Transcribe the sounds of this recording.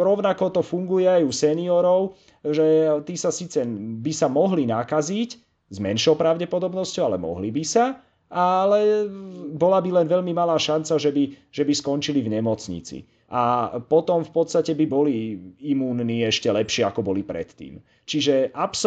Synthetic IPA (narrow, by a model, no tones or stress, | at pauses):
ɾɔʊnakɔt̪ɔfuŋɡujɛajusɛniɔɾɔʊ | ʒɛt̪iːsasit͡sɛbisamɔɦlinakazic | zmɛnʃɔʊpɾaʊɟɛpɔd̪ɔbnɔscɔʊalɛmɔ̰ɦlibisa | alɛ | bɔlabilɛnʋɛʎmimalaːʃant͡saʒɛbiʒ̥ɛbiskɔnt͡ʃilivɲɛmɔt͡sɲḭt͡sḭ | ʔapɔt̪ɔmfpɔt̪st̪acɛbibɔliimuːnniɛʃcɛlɛpʃɪɛakɔbɔlipɾɛ̰t̪ːḭːm | t͡ʃiʒɛʔaps